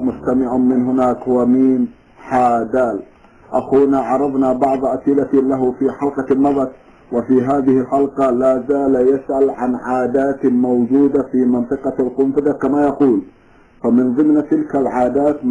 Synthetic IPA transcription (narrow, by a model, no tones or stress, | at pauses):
mʊst̪amɪʕamɪnɦʊnaːkwamiːn | ħaːd̪aːl | ʔaxuːnaʕɑɾˤɑvnabɑʕðˤʔasʔɪlalaɦʊfiːħɑlqɑːɑðˤɑt̪ | wɪfiːɦaːðɪhɪlħɑlqɑlaːzaːljasʔalʕanʕaːd̪aːt̪mawd͡ʒuːd̪afiːmɪnt̪ˤɨqɑlqʊmfɪd̪ɑkamaːjaquːl | famɪnðˤɨmnt̪ɪlkalʕaːd̪aːt̪